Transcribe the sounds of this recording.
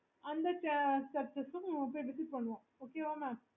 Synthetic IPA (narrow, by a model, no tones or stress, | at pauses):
ɐnd̪ɐt͡ʃɐt͡ʃɐɾt͡ʃɐsʊ̃poʈɪt̪ːɯpɐɳːɯʋõː | oːkeːʋaːmaː